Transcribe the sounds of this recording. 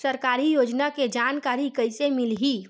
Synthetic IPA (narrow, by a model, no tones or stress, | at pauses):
səɾkaːɾijoːd͡ʒnaked͡ʒaːnkaːɾikəɪsemɪlɦi